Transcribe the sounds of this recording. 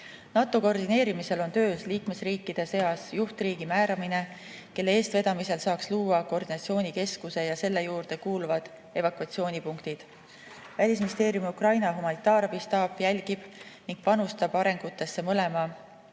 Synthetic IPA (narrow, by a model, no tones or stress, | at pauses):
nɑt̪ːˑo̞ko̞rd̪ine̞ːɾimise̞lo̞nt̪øːsliːkme̞sriːkːˑid̪̥e̞se̞ɑsjuht̪riːɡ̥imæːɾɑmine̞ | ke̞lːeeːst̪ve̞d̪̥ɑmise̞lsɑːksluːɑko̞rd̪̥inɑt̪sio̞ːnʲike̞skuse̞jɑse̞lːe̞juːrd̪e̞kuːlvɑd̪̥ | e̞vɑkuɑt̪sio̞ːnʲipuŋkt̪id̪̥ | vælʲis̬minist̪e̞ːɾjumiukrɑjnɑɦumɑnit̪ːˑɑːɾɑbist̪ɑːpjælʲɡ̥ib̥niŋɡ̥̚pɑnust̪ɑbɑɾe̞ŋɡ̥ut̪ːˑe̞sːe̞mɤle̞mɑ